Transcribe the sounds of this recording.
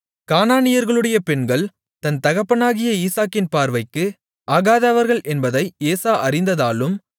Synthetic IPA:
kaːnaːnɪjɐɾɣɐɭɯɽɐjɐpɛɳɡɐɭ | t̪ɐnt̪ɐɣɐpːɐnaːɣɪjɐiːsaːkːɪnpaːɾʋɐɪkːɯ | ʔaːɣaːðaːʋɐɾɣɐɭʔɛnbɐðɐɪeːsaːʔɐrɪnd̪ɐðaːlɯm

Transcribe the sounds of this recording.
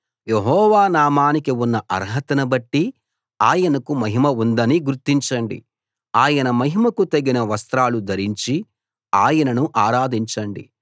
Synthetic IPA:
jeɦɔːʋaːnaːmaːnikiunːɐʔɐ̰ɾɦɐt̪ɐnɐbɐʈːi | aːjɐnɐkumɐɦimɐund̪ɐniɡuɾt̪ːiɲt͡ʃɐɳɖḭ | aːjɐnɐmɐɦimɐkut̪ɐɡinɐʋɐst̪ɾaːlud̪ʱɐɾiɲt͡ʃi | aːjɐnɐnuʔaːɾaːd̪iɲt͡ʃɐɳɖḭ

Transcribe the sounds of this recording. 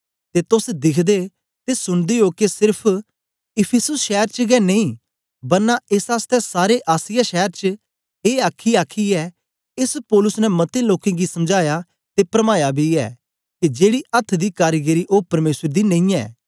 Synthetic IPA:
t̪et̪ʊsd̪ɪkʰd̪e | t̪esʊɽ̃d̪eokesɪɾpʰ | ɪpʰɪsʊsʃɛːɾt͡ʃəɡɛneĩː | bɐɾnaɪsaːst̪ɛsaːɾeʔaːsɪjaʃɛːəɾt͡ʃə | eːaːkʰiaːkʰiɛ | ɪspɔːlʊsnɛmɐt̪eloːkẽɡisɐmd͡ʒaːja | t̪epɾɐmaːjabʱiɛ̰ː | kid͡ʒeːɽiʔɐt̪ʰːd̪iːkaːɾɡəɾiʔoːpɐɾmeːsəɾd̪inɐ̃ĩːɛ̰ː

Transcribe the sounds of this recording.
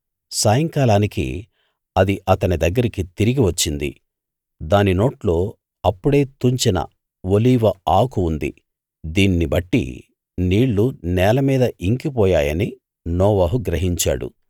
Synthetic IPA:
saːjɐŋkaːlaːnikḭ | ɐd̪iʔɐt̪ɐnid̪ɐɡːɐɾikit̪iɾiɡiʋɐt͡ʃːind̪ḭ | d̪aːnino̞ːʈlo̞ː | ɐpːuɽe̞ːt̪uɲt͡ʃinɐ̰ | ʋoliːʋɐaːkuːnd̪ḭ | d̪iːnːibɐʈːḭ | niːɭːunɛːlɐmiːd̪ɐʔiŋkipɔːjaːjɐni | nɔːʋɐːɦuɡɾɐɦiɲt͡ʃa̰ːɽṵ

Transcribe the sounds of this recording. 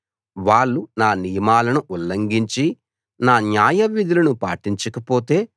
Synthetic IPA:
ʋaːɭːunaːnijɐmaːlɐnuʔulːɐŋɡiɲt͡ʃi | naːnjaːjɐʋːid̪ulɐnupaːʈiɲt͡ʃɐkɐpoːt̪e̞ː

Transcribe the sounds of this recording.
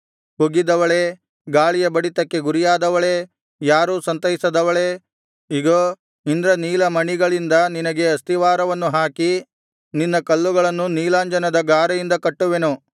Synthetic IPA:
huɡid̪ɐʋɐɭe̞ | ɡaːɭijɐbɐɽit̪ɐkːe̞ɡuɾijaːd̪ɐʋɐɭe̞ | jaːɾuːsɐnt̪ɐɦisɐd̪ɐʋɐɭe̞ | iɡoː | ind̪ɾɐniːlɐmɐɳiɡɐɭind̪ɐninɐɡe̞ɐst̪iʋaːɾɐʋɐnːuɦaːki | ninːɐkɐlːuɡɐɭɐnːuniːlaːɲd͡ʒɐnɐd̪ɐɡaːɾɐjind̪ɐkɐʈːuʋenu

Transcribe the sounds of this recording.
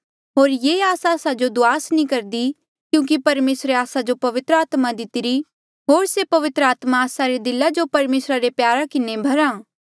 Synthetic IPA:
ɦoːɾjeːaːsaːsad͡ʒod̪ʊaːsnĩkɐɾd̪i | kjũːk̬ipɐɾmeːsɾeaːsad͡ʒopɐʋɪt̪ɾəaːt̪mad̪ɪt̪ɪɾi | ɦoːɾsepɐʋɪt̪ɾəaːt̪maːsaɾed̪ɪlad͡ʒopɐɾmeːsɾaɾepjaːɾakɪnebʱɐɾaː

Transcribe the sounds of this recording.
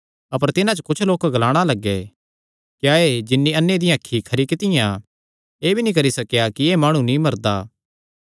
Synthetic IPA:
ɐpəɾt̪ɪnãt͡ʃokʊt͡ʃʰloːkɡɐlaːɽ̃alɐɡːɛ | kjaːeːd͡ʒɪnːiɐnːed̪ɪjãkʰːikʰɐɾikɪt̪ɪjã | eːbʱinĩkɐɾisɐkjakieːmaːɽ̃ũnĩmɐɾd̪aː

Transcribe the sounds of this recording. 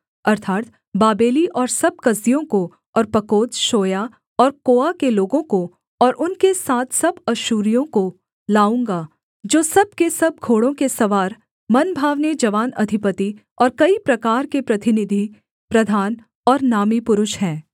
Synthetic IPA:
ɐɾt̪ʰaːt̪̚ | baːbeːliʔɔːɾsɐb̚kɐzijõko | ɔːɾpɐkoːd̪ʃoːja | ɔːɾkoːakeloːɡõko | ɔːɾʔʊnkesaːt̪ʰsɐbɐʃuːɾijõko | laːũːŋɡaː | d͡ʒoːsɐb̚kesɐb̚ɡʱoːɽõkesɐʋaːɾ | mɐnbʱaːʋned͡ʒɐʋaːnɐ̰d̪ʱɪpət̪i | ɔːɾkɐipɾɐkaːɾkepɾɐt̪ɪnɪd̪ʱi | pɾɐd̪ʱaːn | ɔːɾnaːmipʊɾʊʃɦɛ̃ː

